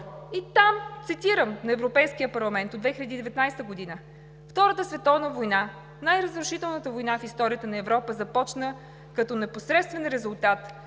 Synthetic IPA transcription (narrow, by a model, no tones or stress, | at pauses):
it̪amt̪sit̪iɾəmnɐɛvɾopɛjskijəpɐɾlˠɐmɛnt̪od̪vɛxilʲɛd̪iːd̪ɛvɛt̪najst̪əɡod̪inə | ft̪ɔɾət̪əsvɛt̪ɔvnəvojna | najɾəzɾʊʃit̪ɛlˠnət̪əvojnafist̪ɔɾʲijət̪ənɐɛvɾɔpəzɐpɔt͡ʃnə | kɐt̪ɔnɛposɾɛt̪st̪vɛnɾɛzʊlˠt̪at̪